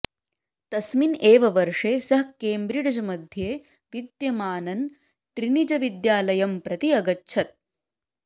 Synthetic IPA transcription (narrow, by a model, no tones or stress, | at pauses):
t̪ɐsmineːʋɐʋɐɾʂeːsɐɦkeːmbɾiɽɐd͡ʒɐmɐd̪ʱjeː | ʋid̪jɐmaːnɐn | ʈɾinid͡ʒɐʋid̪jaːlɐjɐmpɾɐt̪iɐɡɐtːʃʰɐt̪̚